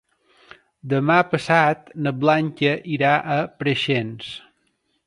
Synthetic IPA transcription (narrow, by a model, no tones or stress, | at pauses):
d̪əmapəsat̪nəblaŋkəʔiɾaʔəpɾəʃens